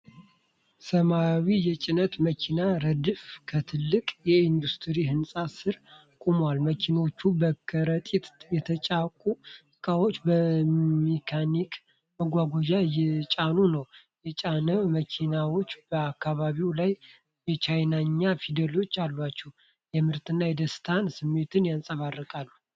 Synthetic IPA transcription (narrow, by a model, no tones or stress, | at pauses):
səmawijɛt͡ʃʼɪnət̪məkʰinaɾəd̪ɨfkʰət̪ʰɨlːɨkʼjɛind̪ust̪ʰɨɾiɦɨnsʼasɨɾ | kʼumwalməkʰino̞t͡ʃːubəkʰəɾət̪ʼit̪jɛt̪ʰət͡ʃʼakʼuskʰʼawo̞t͡ʃːbəmekʰanik | məɡʷaɡʷod͡ʒaɛt͡ʃʼanunəw | jɛt͡ʃʼanəməkʰinawo̞t͡ʃːbəakːaβaβiwlaj | jɛt͡ʃʰajnaɲːafid̪əlo̞t͡ʃːalbat͡ʃːɛh | jɛmɨɾt̪ɨnːajɛd̪əst̪ʰansɨmːe̞t̪ʰɨnjansʼəβarːəkʼalːu